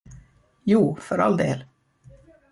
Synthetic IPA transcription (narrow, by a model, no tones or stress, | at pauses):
juːfœɾa̰ld̪eːl